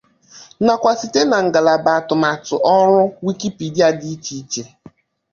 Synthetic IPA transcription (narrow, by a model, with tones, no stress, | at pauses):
na˨kʷa˨si˨te˦na˨ŋ̩˨ɡa˨la˨ba˨a˨tʊ˨ma˨tʊ˨ʔɔ˦ɾʊ˦wi˦ki˦pi˨da˦di˦t͡ʃi˦t͡ʃe˦